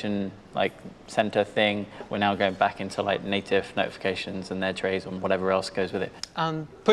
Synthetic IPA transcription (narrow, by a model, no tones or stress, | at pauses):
ə̃n | la̰ɪk̚ | sɛ̃ntəθɪ̃ŋwɪnaʊɡoʊɪ̃ŋbakɪ̃ntʰula̰ɪk̚neɪtʰɪv̥nəʊtɪ̥fɪ̥kʰeɪʃə̃nzə̃nðətʰɹ̥eɪzə̃nwɒɾɛvəɹɛlˠsɡ̥əʊzwɪðɪ̰t̚ə̃npʰʊ